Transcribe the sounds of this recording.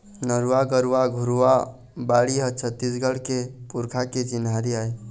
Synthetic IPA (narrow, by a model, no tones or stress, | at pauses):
nəɾuwaɡəɾʋaɡʱuɾuʋa | baɽiɦət͡ʃʰət̪ːisɡəlkepuɾkʰaket͡ʃinʱaɾiae